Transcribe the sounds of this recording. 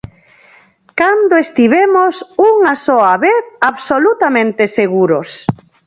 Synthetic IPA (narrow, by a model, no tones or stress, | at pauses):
kand̪oest̪iβ̞emosuŋasɔaβeθaβsolut̪amẽnt̪eseɣuɾʊs